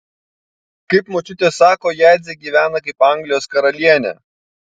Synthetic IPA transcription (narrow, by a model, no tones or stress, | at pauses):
kɐɪpmoːt͡ʃʲʊt̪ʲeːsɑːkoːjæˑɪd̪zʲeɡʲiːʋʲæːnɐkɐɪpɑŋʲɡlʲɪjoːskɐɾɐlʲiɛnʲɛ̰ː